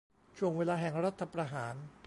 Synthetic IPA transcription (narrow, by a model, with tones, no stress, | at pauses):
t͡ɕʰu˧˩əŋweː˦˧laː˧ɦɛ˨˩ŋɾa˦˥t̪ʰːa˧pɾa˧ɦaː˩˦n